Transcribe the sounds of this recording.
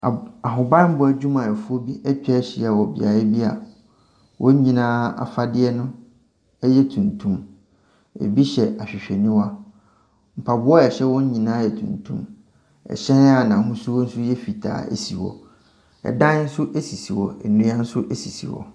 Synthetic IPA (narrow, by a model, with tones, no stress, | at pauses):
a˨ɦʊ̃˨bã˦m̩˦bʊ˨˦æ˨d͡ʑᶣu˦mã˨ɛ˨fu˦o˦bi˦ʔɛ˦t͡ɕᶣɛ˦ɕi˨˦˨a˨wɔ˨bɪ̰˨a̰˨ɛ˦bi˦a̰˨ | wʔɔ̃˦ɲ̩˦ɲĩ˨nãː˦a̰˨fa˦dɪ˦ɛ˦nʊ̃˦ | ɛ˦jɛ˦tʰũ˨ntʰũ˦m | ɛ̰˨bi˦ɕɛ˨ʔa˨ɕᶣɪ˨ɕᶣɛ˨nĩ˦wa˦ | m̩˨pʰa˨bʊ˦ɔ˦ɛ˨ɕɛ˦wɔ̃˦ɲ˦ɲĩ˨nãː˦jɛ˨tʰṵ̃˨ntʰṵ̃˦m | ɛ̰˨ɕɛ̃˦n˦a˦˨nã˨ɦũ˦su˦wɔ˦n̩˦sʊ˦jɛ˦fi˨tʰa̰ː˨ḛ˨si˨wɔ̰˨ | ɛ̰˨dã˦n˦n̩˦sʊ˦ʔe˦si˨si˨wɔ˨ɛ˨nũ˦ã˦n̩˦sʊ˦ʔe˦si˨sḭ˨wɔ̰˨